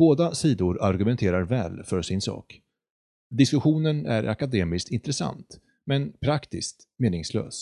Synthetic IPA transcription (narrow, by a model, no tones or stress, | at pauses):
b̥oːd̪asiːd̪ʊɾaɾɡɵmɛnt̪ʰeːɾaɾvɛ̰ːlfœʂɪnsɑ̰ːk | d̪ɪskɵɧuːnənæɾʔa̰kad̪eːmɪskt̪ɪnt̪ɾɛsa̰nt̪ | mɛnpʰɾakt̪ɪst̪ | meːnɪŋslø̰ːs